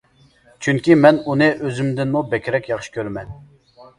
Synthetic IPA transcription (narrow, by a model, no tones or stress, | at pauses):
t͡ʃʰyŋkʲimɛnunɨʔøzymd̪ɪnmubɛkʲɾɛkʲjɑχʃi̥kʲʰøɾmɛn